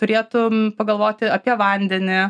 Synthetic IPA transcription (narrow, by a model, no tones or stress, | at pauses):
t̪ʊɾʲeːt̪ʊmpɐɡɐlˠʋoːt̪ʲɪɐpʲiɛʋɐnʲd̪ʲɛnʲɪ